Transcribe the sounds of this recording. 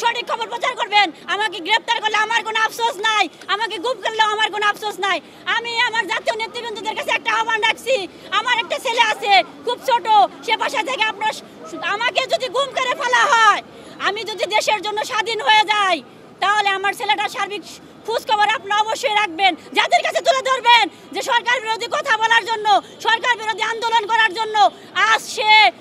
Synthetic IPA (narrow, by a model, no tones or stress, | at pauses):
ʃoʈikʰːɔboɾpɾot͡ɕaɾkoɾbenamak̬eɡɾep̚ʰt̪aɾkoɾleamaɾkonoapʃosnaj | amak̬eɡumkaɾlaoamaɾkonoapsosnaj | amiamaɾd͡ʑat̪ionet̪ɾibond̪od̪eɾkat͡ɕʰeɛk̚ʈaaɦobanɾakʰt͡ɕʰi | amaɾɛk̚ʈat͡ɕʰeleat͡ɕʰekʰubt͡ɕʰoʈoʃebaʃat̪ʰekeapna | amak̬ed͡ʑod̪ʱiɡumkaɾefalaɦɔe | amid͡ʑod̪ʱid̪eʃeɾd͡ʑonːoʃad̪ʱinɦoed͡ʑaj | t̪aɦoleamaɾt͡ɕʰeleʈaʃaɾbik | kʰud͡ʑkɔboɾapnaɔboʃːoeɾak̚ʰbend͡ʑad̪eɾkat͡ɕʰet̪uled̪ʱoɾben | d͡ʑeʃɔɾkaɾbiɾod̪ʱikɔt̪ʰabɔlaɾd͡ʑonːo | ʃɔɾkaɾbiɾod̪ʱiand̪olonkɔɾaɾd͡ʑonːo | asʃe